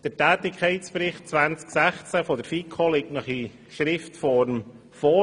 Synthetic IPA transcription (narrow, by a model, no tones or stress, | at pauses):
d̥əɾtæːt̪ɪkʰɛɪspɾɪχt̚t͡sʋænt͡sksæχt͡sæfɔd̥əɾfikʰχolɪk̚tnɑχi | ʃɾɪftfɔɾm | fɔ